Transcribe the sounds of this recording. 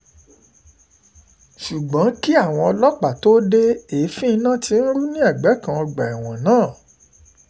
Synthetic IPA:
ʃu˨ɡ͡bɔ̃˨˦ki˦a˦˨w̃ɔ̃˧ɔ˧lɔ˦k͡pa˨to˦de˦e˨˦fĩ˦˧nã˦˨ti˧n̩˦ɾu˦nĩ˦a˦˨ɡ͡bɛ˨˦kã˧ɔ˧ɡ͡ba˨i˨w̃ɔ̃˨nãː˦˨

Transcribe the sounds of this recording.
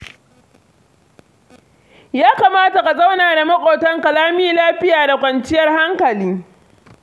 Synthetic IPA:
jaː˦kaː˨maː˦ta˨ka˨za˦wnaː˨da˨mɐ˦kʷʼoː˨tɐ˦ŋkɐ˨laː˦miː˦laː˦ɸɪ˦jaː˨da˨kʷɐ˨nt͡ʃɪ˦jɐ˦rha˦ŋkɐ˨liː˦

